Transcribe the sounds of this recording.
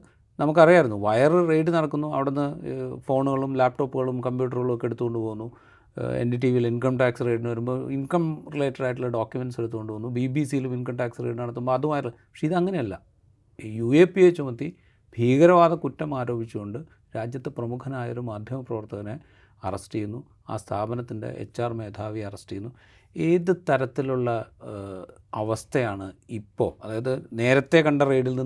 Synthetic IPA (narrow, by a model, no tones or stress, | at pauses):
nɐmukːɐrijaːjiɾunːuʋɐjɐrrejʈ̬ːɨnɐɽɐkːunːuɐ̰ʋiɽenːɨfo̞ːɳuɣɐɭumlaːp̚ʈo̞ːpːuɣɐɭumkɐmpjuːʈɐrɣɐɭmokːeeɽut̪ːuɣo̞ɳɖɨpoːɣunːu | ḛndiʈ̬iːʋilinkɐmʈaːksre̞ːʈ̬ːinɨʋɐɾumboḭnkɐmrileːʈːrɾaːjʈ̬ːileɖoːkjumenɖse̞ɽut̪ːuko̞ɳɖɨpoːnːubibisijiluminkɐmʈaːksreːʈɨnɐɽɐt̪ːumboɐðumaːjiɾlpɐkʂeiðɨɐŋːɐne̞jɐlːɐ | jueːpːiet͡ɕːumɐt̪ːi | bʱiːɣɐɾɐʋaːd̪ɐkutːɐmaːɾo̞ːbʱit͡ɕːuɣo̞ɳɖɨ | ɾaːd͡ʑjɐt̪ːeprɐmukʰɐnaːjo̰ɾumaːd̪ʱjɐmɐprɐʋɐrt̪ɐɣɐne | ɐ̰rɐsʈijunːu | a̰ːst̪ʰaːbɐnɐt̪ːindḛʔḛt͡ɕːaːrme̞ːd̪ʱaːʋiɐrɐsʈijunːu | eːðɨt̪ɐɾɐt̪ːiluɭːɐ | ɐʋɐst̪ʰɐjaːɳɨipːo̞̰ːɐðaːjɐðɨne̞ːɾɐt̪ːe̞kɐɳɖɐreːɖilni